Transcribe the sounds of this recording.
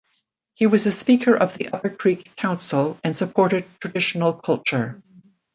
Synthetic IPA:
hiwʌzɨspikʰə˞ʔʌvðiʔʌpə˞kʰɹ̥ikʰːãʊ̃nsl̩ˠɨ̃nsɨpʰɔɹɾɨd̚tʰɹ̥ɨdɪʃn̩l̩ˠkʰʌlˠt͡ʃə˞

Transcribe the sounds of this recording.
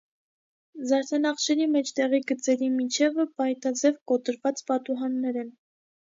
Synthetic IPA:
zɑɾt̪ʰɑnɑχʃɛɾimɛt͡ʃʰt̪ɛʁiɡət͡sɛɾimit͡ʃʰɛvəpɑjt̪ɑd͡zɛvkɔt̪əɾvɑt͡spɑt̪uɦɑnːɛɾɛn

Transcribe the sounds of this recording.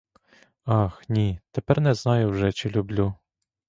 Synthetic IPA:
ɑxnʲit̪epɛrnɛznɑjʊwʒɛt͡ʃɪlʲʊblʲu

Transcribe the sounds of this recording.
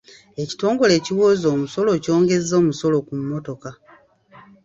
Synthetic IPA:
e̞ci̥to̞ːŋɡo̞le̞ːciwo̞ːzo̞ːmuso̞lo̞co̞ːŋɡe̞zːo̞ːmuso̞lo̞kumːo̞to̞ka

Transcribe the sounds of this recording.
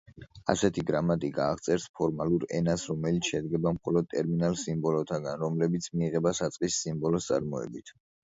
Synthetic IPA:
a̰sɛt̪ʰiɡɾamat̪ʼiɡaːʁt̪sʼɛɾspʰɔɾmaluɾɛ̰nasɾɔmɛlit̪sʰʃɛd̪ɡɛbamχɔlɔd̪̚t̪ʼɛɾminalˠsimbɔlɔt̪ʰaɡanɾɔmlɛbit̪sʰmiːʁɛbasat̪sʼqʼisːimbɔlɔst̪sʼa̰ɾmɔɛ̰bit̪ʰ

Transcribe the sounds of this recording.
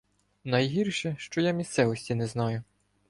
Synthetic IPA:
nɐjɦirʃɛʃt͡ʃɔjamʲist̪sɛʋɔsʲtʲinɛznɑjʊ

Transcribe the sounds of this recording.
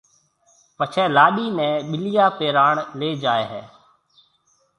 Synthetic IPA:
pət͡ʃʰɛːlaːɗiːnɛ̃ːɓɪlɪjaːpeːɾaːɳleːd͡ʒaːeːɦɛː

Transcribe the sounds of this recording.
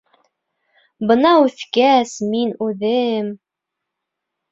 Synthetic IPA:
bɤ̆nɑʉθkæsminʉðɘm

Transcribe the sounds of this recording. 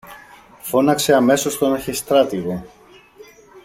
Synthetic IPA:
fo̞nɐkse̞ɐme̞so̞st̪o̞nɐçist̪ɾɐt̪iɣo̞

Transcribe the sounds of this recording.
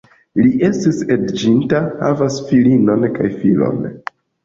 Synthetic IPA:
liʔe̞stisedd͡ʒintaha̰vasfilino̞nkajfilo̞̰n

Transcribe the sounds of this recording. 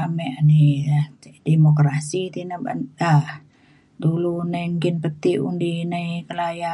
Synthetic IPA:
amɛʔani | demokɾasit̪inəba̰nah | dulunaimkɪnpət̪iṵndinaikəlaja

